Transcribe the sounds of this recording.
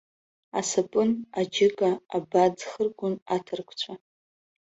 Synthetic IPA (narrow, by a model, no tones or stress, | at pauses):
a̰sapʼɨnad͡ʒɪkʼaːbad͡zχərɡʷʊnatʰɨrkʷʰt͡ɕʷʰa